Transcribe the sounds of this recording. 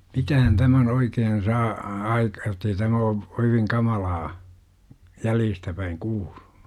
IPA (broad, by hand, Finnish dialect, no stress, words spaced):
mitæhæn tæmæn oikeːn sɑː ɑ ɑik jotˑei tæmæ o oikeŋ kɑmɑlɑː jæljistæ pæiŋ kuːl̥u̥n̥u̥